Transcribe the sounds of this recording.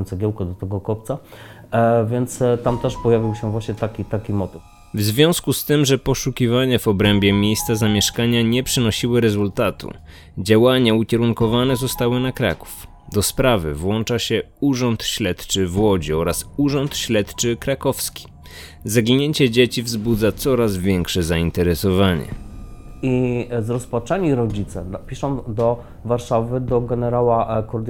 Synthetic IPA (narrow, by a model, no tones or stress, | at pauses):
nt̪sɛɡʲjɛwkɔd̪ɔt̪ɛɡɔkɔpt̪sa | vʲjɛnt̪st̪amt̪ɛʂpɔjavʲiwɕɛvwaɕɲɛt̪akʲit̪akʲimɔt̪ɘf | vzvʲjɔ̃w̃skust̪ɘmʐɛpɔʂukʲivaɲavɔbɾɛmbʲjɛmʲjejst̪sazamʲjɛʂkaɲaɲɛpʂɘnɔɕiwɘɾɛzult̪at̪ṵ | d͡ʑawaɲaukʲɛɾuŋkɔvanɛzɔst̪awɘnakɾa̰ku̥f | d̪ɔspɾavɘ̰vwɔnt͡ʂaɕɛ | uʐɔnt̪ɕlɛt̪t͡ʂɘvwɔd͡ʑiɔɾasuʐɔnt̪ɕlɛt̪t͡ʂɘkɾakɔfskʲi̥ | zaɡʲiɲeɲt͡ɕɛd͡ʑet͡ɕivzbud̪zat̪sɔɾazvʲjɛŋkʂɛzaint̪ɛɾɛsɔvaɲɛ̰ | izɾɔspat͡ʂɛɲiɾɔd͡ʑit̪sɛpʲiʂɔ̃wd̪ɔ | vaɾʂavɘd̪ɔɡɛnɛɾawakɔɾd̪